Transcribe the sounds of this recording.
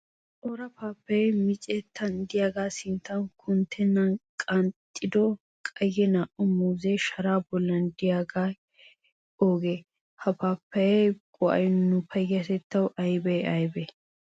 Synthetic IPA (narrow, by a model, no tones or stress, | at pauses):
t̪ʼoːɾɐpaːpːɐjɛmɪt͡ʃʼɛt̪ʰːɐnd̪ɪjaːɡaːsɪnt̪ːɐnkʰʊnt̪ʰːɛnːɐnkʼɐnt̪ʼːɪd̪ɔ | kʼɐjːɛnaːʔɔmuːzeʃɐɾaːbɔlːɐnd̪ɪjaːɡaː | ʔoːɡeː | hɐpaːpːɐjɛkʼɔʔɐ̰jnʊpʰɐjɐt̪ɛt̪ːɐwʔɐjbɛɐjbɛ